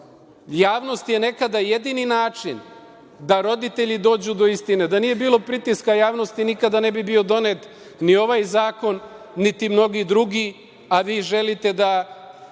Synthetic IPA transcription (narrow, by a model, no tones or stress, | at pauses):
jaːʋno̞st̪je̞ne̞kad̪ajed̪ininaːt͡ʂḭn | d̪aɾo̞d̪it̪e̞ʎid̪o̞ːd͡ʑud̪o̞ist̪ine̞d̪anije̞biːlˠo̞pɾit̪iskajaːʋno̞st̪inikad̪ane̞bibio̞d̪o̞net̪ | nio̞ʋajzaːko̞nː | it̪imno̞ɡid̪ɾuɡi | aʋiːʒelit̪e̞d̪a